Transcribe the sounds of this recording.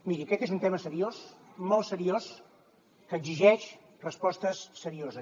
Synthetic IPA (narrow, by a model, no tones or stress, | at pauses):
miɾiəkɛt̪ezunt̪eməsəɾiosmɔlˠsəɾios | kəːɡziʒɛʃ | rəspɔst̪əsːəɾiozə